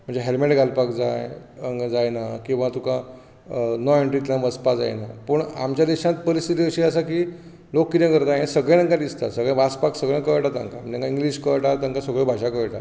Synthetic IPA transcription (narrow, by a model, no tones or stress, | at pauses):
m̤əɳd͡zeɦelmeʈɡʱalpakd͡zajəd͡zajnakĩw̃ʋãt̪ũkã | nɔeɳʈɾit̪laməspad͡za̰jnapəɳamt͡ɕjad̪iɕãt̪pəɾisit̪iəɕiəsakiː | lokːit̪ẽkəɾt̪ajẽsəɡɭẽəŋkad̪ist̪a̰səɡɭẽbaspaksəɡɭẽkəʈat̪ãŋkam̤əɳd͡ʑẽŋkaiŋɡliɕkəɭʈat̪aŋkasəɡɭẽbʱaɕakəɭʈa̰